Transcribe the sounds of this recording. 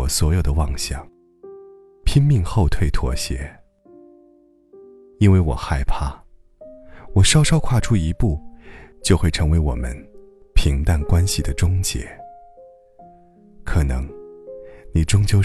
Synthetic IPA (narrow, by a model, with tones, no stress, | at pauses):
ɔ˨˩swɔ˧˥jo˨˩ʊd̪ə˦wɑ˥˧˩ŋɕjɑ̰˥˩ŋ | pʰi˥nmi˥˧ŋxo˥˧ʊt̪ʰwe˥˩ɪt̪ʰwɔ̰˧˥ɕjɛ̰˧˥ | i˥nwe˥˩ɪwɔ˨˩xa˥˩ɪpʰa˥˩ | wɔ˨˩ʂɑ˥ʊʂɑ˥ʊkʰwa˥˧ʈ͡ʂʰu˥i˧˥pu˥˩t͡ɕjo˥˧ʊxwe˥˩ɪʈ͡ʂʰɤ˧˥ŋwe˧˥ɪwɔ̰˨˩mə̰˦n | pʰi˧˥ŋt̪a˥˩nkwa˥nɕi˨d̪ə˦ʈ͡ʂʊ˥ŋt͡ɕjɛ̰˧˥˦ | kʰɤ˨˩nɤ˧˥ŋ | ni˨˩ʈ͡ʂʊ˥ŋt͡ɕjo˥˧ʊ